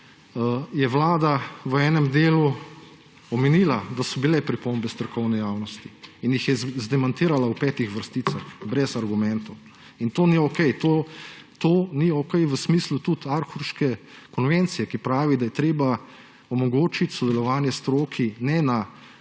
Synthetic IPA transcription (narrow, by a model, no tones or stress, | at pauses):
jɛʋlaːd̪aʋəɛːnɛmd̪eːlu | ɔmɛniːlad̪asɔbilɛpɾipombɛst̪ɔɾkɔwnɛjaːwnɔst̪iinjixjɛzd̪ɛmant̪iːɾalaupɛːt̪ixʋəɾst̪iːsaxbɾɛzaɾɡumɛnt̪ow | int̪oːniɔkɛjt̪oːt̪oːniokɛjʋəsmiːslut̪ut̪aɾxuɾʃkɛ | kɔnʋent̪sijɛkipɾaːʋid̪ajɛt̪ɾeːba | ɔmɔɡoːt͡ʃit̪ʲsɔd̪ɛlɔʋaːnjɛst̪ɾoːkʰinɛna